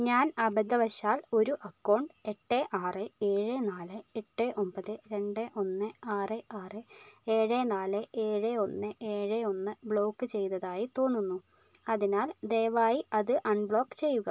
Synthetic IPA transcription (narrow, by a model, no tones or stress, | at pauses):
ɲaːnɐbɐd̪ːɐʋɐɕaːlo̞ɾuʔɐkːɐwɳɖɨe̞ʈːeʔaːrɨe̞ːɻenaːlɨeʈːeʔo̞mpɐðɨɾe̞ɳɖɨʔo̞nːɨaːreʔaːrɨe̞ːɻenaːlɨʔeːɻeo̞nːɨeːɻeo̞nːɨbɭo̞ːkːɨt͡ɕe̞jt̪ɐðaːjit̪o̞ːnːunːu | ɐðinaːld̪eːʋaːjiɐðɨʔɐɳbɭo̞ːkːɨ̥t͡ɕe̞jːuɣɐ